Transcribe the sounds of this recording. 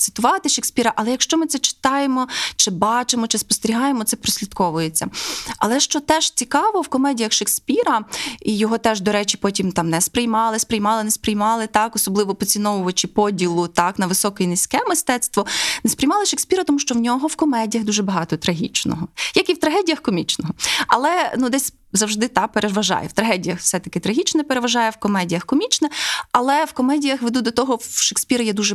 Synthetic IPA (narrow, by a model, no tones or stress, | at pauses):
t̪sɪ̥t̪ʊʋɑt̪ɪʃeksʲpʲiɾɐʔɐlˠɛjɐkʃt͡ʃɔmɪt̪sɛt͡ʃɪ̥t̪ɑjemɔt͡ʃɪbɑt͡ʃɪmɔt͡ʃɪspɔst̪eɾʲiɦɑjemɔt̪sɛpɾɔsʲlʲid̪kɔʋʊjet͡sʲːɐ̰ɐlˠɛʃt͡ʃɔt̪ɛʒ̥t͡sʲikɑʋɔwkɔmɛdʲijɐxʃeksʲpʲiɾɐijɔɦɔt̪ɛʒd̪ɔɾɛt͡ʃʲipɔtʲimt̪ɑmnɛspɾɪjmɑlˠɪspɾɪjmɑlˠɪnɛspɾɪjmɑlˠɪt̪ɑkɔsɔblˠɪʋɔpɔt͡sʲinɔʋʊʋɐt͡ʃipɔdʲilˠʊt̪ɑknɐʋɪsɔkɔjinɪsʲkɛmɪst̪ɛt̪st̪ʋɔnespɾɪjmɑlˠɪʃeksʲpʲiɾɐt̪ɔmuʃt͡ʃɔwnʲɔɦɔwkɔmɛdʲijɐɣd̪uʒɛbɐɦɑt̪ɔt̪ɾɐɦʲit͡ʃnɔ̰ɦɔjɐkiwt̪ɾɐɦɛdʲijɐxkɔmʲit͡ʃnɔɦɔɐ̰lˠɛnud̪ɛsʲ | zɐwʒd̪ɪt̪ɑpeɾeʋɐʒɑ̰jɛ̰wt̪ɾɐɦɛdʲijɐxfsɛt̪ɐkɪt̪ɾɐɦʲit͡ʃnɛpeɾeʋɐʒɑjɛwkɔmɛdʲijɐxkɔmʲit͡ʃnɛɐlˠɛwkɔmɛdʲijɐxʋed̪ud̪ɔt̪ɔɦɔʃeksʲpʲiɾɐjɛd̪uʒɛ